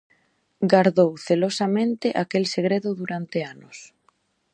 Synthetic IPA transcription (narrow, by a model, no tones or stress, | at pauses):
ɡaɾðowθelosamẽnt̪ɪʔakelseɣ̞ɾeðʊðuɾant̪eanʊs